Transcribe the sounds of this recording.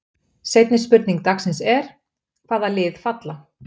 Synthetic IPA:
sejt̪nɪspʏɾt̪niŋk̚t̪axksɪnsɛɾ̥ | kʰv̥aːðalɪːðfat̪la

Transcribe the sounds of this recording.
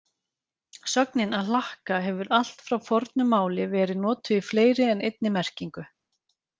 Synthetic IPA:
sœk̚nɪnaðlahkaɦɛvʏɾal̥t̪fɾawfɔɾt̪nʏmaːwlɪvɛːɾɪðnɔːt̪ʏifleːjɾɪɛnejt̪̚nɪmɛr̥ciŋkʏ

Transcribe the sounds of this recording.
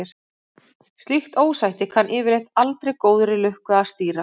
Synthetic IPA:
ɪɾ̥ | st̪lixt̪oːwsajht̪ɪkʰanʔɪːvɪɾejht̪alt̪ɾejkoːwðʏɾɪlʏhkʏast̪iːɾa

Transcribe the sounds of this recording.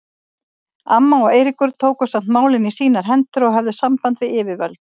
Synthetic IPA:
amːaɔeːjɾikʏɾ̥t̪ʰoːwkʏ̥sam̥t̪maːwlɪnisiːnaɾ̥ɦɛnt̪ʏɾɔɣɦɛvðʏsampant̪vɪðɪːvɪvœlt̪

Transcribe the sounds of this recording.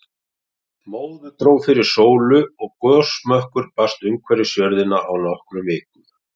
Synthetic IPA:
moːwðʏt̪ɾoːwfɪɾɪɾ̥soːwlʏɔɣkɔːsmœhkʏɾpast̪ʏmkʰvɛɾɪsjœɾðɪnaʔawnɔhkɾʏvɪːkʏ

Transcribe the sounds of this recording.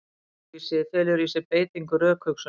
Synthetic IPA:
isɪθɛlɪɾisɪpeːjt̪iŋkʏɾœːkʰvœksʏ

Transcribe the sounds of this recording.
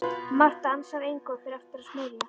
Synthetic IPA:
mar̥t̪aansaðejŋkɔðfɪɾaft̪ɪɾasmɪːðɪ

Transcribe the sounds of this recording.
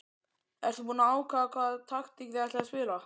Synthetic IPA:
ɛɾ̥θupuːnaaːwkʰaːðakʰvaːðt̪ʰaxt̪ikvɛat̪lɛaspɪːla

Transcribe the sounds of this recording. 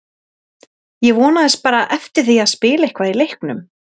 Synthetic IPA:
jɛɣvɔːnaðɪspaːɾaʔɛft̪ɪɾ̥θiaðspɪːlaehkvailejhknʏm

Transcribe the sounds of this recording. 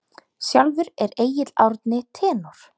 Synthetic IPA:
sjawlvʏɾɛɾeːjɪt̪lawɾt̪nɪt̪ʰɛːnɔɾ̥

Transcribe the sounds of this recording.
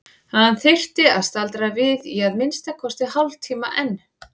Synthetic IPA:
haanθɪr̥t̪ɪaðst̪alt̪ɾavɪðiaðmɪnst̪akʰɔst̪ɪhalvt̪ʰiːmaʔɛnː

